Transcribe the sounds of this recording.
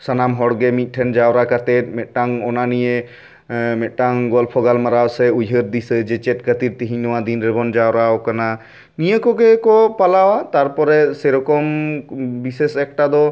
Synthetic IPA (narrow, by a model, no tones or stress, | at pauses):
sanamɦɔɽɡɛmit̪̚ˀʈʰɛnd͡ʒawɾakat̪ɛt̪̚mɛt̪̚ˀʈaŋɔnanije | mɛt̪̚ʈaŋɡɔlpʰɔɡalmaɾawsɛujɦəɾd̪ised͡ʒɛt͡ʃɛt̚kət̪iɾt̪iɦiɲnɔwad̪inɾebɔnd͡ʒawɾawkana | nijəkɔɡɛkɔpalawat̪aɾpɔɾɛsɛɾɔkɔm | bisesɛk̚ʈad̪ɔ